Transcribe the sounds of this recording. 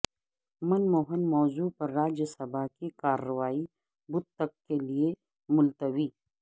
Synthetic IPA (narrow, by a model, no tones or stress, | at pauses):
mɐnmoːɦənmɔːzuːpɐɾːaːd͡ʒjəsɐbʱaːkikaːɾːəʋaːi | bʊd̪̚t̪ɐkːelie | mʊlt̪əʋiː